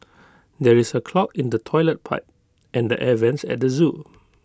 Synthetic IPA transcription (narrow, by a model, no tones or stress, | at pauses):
dɛɹisəkʰlɔkĩndətʰɔɪlət̚pʰa̰ɪp̚ | ʔɛ̃ndəʔɛvɛ̃nsɛ̰t̚dəzu